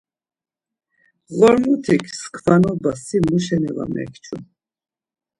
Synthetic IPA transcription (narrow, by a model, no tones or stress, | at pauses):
ɣɔɾmut̪ʰikʰskʰvanɔbasimuʃɛnɛva̰mɛ̰kʰt͡ʃʰu